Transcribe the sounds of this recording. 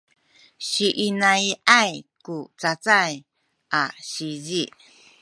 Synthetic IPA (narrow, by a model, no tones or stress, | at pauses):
ʃiʔinãjʔajkut͡sat͡saj | ʔaɕizi